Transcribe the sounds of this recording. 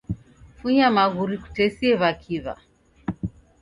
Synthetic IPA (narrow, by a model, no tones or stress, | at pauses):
fuɲamaɣuɾiku̥tɛsiɛβakʰiβa̰